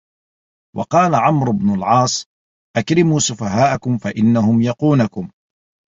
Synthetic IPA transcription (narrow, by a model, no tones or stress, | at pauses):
wʔɑ̰qɑːlaʕamɾʊbnʊlʕɑːsˤ | ʔakɾɪmuːsʊfaɦaːʔakʊmfaʔɪnːahʊmjɑquːnakʊm